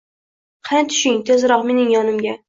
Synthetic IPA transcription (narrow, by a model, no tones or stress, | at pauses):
qʰant̪ʰʊ̥ʃɪŋt̪ʰezɾɒqme̞nɪŋjɒnɪmɡʲa